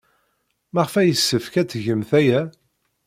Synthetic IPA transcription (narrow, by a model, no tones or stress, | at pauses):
mæʁfæjəsːəfkæt͡sːʝəmθæjæ